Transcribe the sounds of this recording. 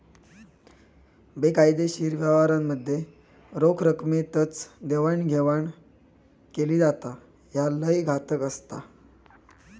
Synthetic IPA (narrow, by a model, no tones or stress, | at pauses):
bekajd̪eɕiːɾʋjaʋaɾamːəd̪ʱːje | ɾokʰɾəkmet̪ət͡sd̪eʋaɳɡʱeʋaɳ | keliːd͡zat̪a | jaləjɡʱat̪əkəst̪a